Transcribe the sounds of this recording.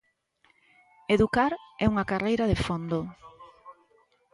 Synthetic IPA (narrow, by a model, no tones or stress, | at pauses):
eðukaɾɛuŋakarejɾaðefond̪o